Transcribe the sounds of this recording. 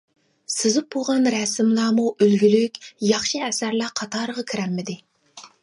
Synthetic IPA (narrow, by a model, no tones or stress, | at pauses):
sɪzɪp̚oʁɑnɾɛsɪmlˠɑːmuʔølɡʲylykʲjɑχʃiɛsæɾlæqʰɑt̪ʰɑːɾəʁɑkʲʰiɾɛmːɪd̪ɪ